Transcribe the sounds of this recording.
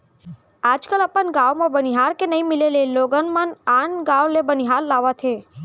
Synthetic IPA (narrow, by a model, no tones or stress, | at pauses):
ad͡ʒkələpəɳɡaʋmãbəniɦaɾkenəɦĩmɪleleloɡənmənanɡaʋlebəniɦaɾlaʋat̪ʰe